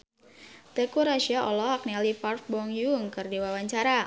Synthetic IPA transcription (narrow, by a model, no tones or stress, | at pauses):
t̪ekuɾaʃiaʔɔlɔɦak̚nɛlipart̚bɔŋjuŋkɨrdiwawaɲt͡ʃaɾa